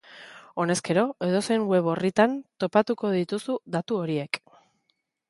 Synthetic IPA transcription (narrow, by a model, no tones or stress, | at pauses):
o̞ne̞ske̞ɾo̞e̞ð̞o̞seŋwe̞βo̞rit̪ant̪o̞pat̪uko̞ðit̪usuðat̪uo̞ɾie̞k